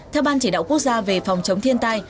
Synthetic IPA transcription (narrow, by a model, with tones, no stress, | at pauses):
t̪ʰɛ˧wɓaː˧nt͡ɕiː˧˩ɗa̰ː˧˨wku˦˥ək̚zaː˧ve˨˩fɔ˨˩wŋ͡mt͡ɕə˨˦wŋ͡mt̪ʰi˧ənt̪aː˧j